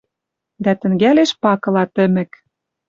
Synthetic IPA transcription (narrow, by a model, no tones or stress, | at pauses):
d̪æt̪ɘ̆ŋɡæleʃpɑkɤ̆lɑt̪ɘ̆mɘ̆k